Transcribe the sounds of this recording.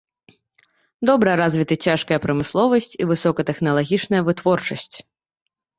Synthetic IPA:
d̪ɔbɾɐjɐɾazʲvʲit̪ɨt͡sʲaʂkɐjɐpɾɐmɨslˠɔvɐsʲt͡sʲivɨsɔkɐt̪ɛxnɐlˠaɣʲit͡ʂnɐjɐvɨt̪vɔrt͡ʂɐsʲt͡sʲ

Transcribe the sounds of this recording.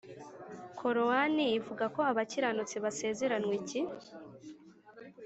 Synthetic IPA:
kʰo̞ɾowanijivuɡako̞aβaciɾanut͡siβase̞ːze̞ɾanwici

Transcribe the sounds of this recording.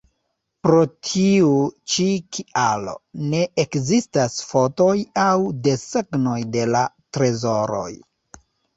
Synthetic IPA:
pɾo̞tʰiut͡ʃikʰialo̞̰ne̞ʔekzistasfo̞to̞jawde̞seɡno̞jde̞la | tɾe̞zo̞ɾo̞̰j

